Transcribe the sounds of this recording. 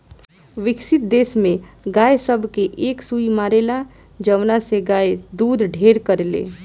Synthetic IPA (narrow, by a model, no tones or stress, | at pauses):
ʋɪksɪt̪̚d̪eːsmẽɡaːjsəbʱkeʔeksuimaɾela | d͡ʒəʋnaseɡaːed̪uːd̪ʱɖʱeɾkəɾlḛː